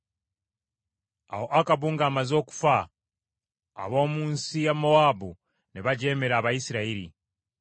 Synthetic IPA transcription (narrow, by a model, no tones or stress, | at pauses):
a̰wo̞ʔakaβuŋɡaːmazo̞ːku̥fa | βo̞ːmuːnsijamo̞waːbu | neβaɟe̞ːme̞ɾaːβajisiɾaiɾḭ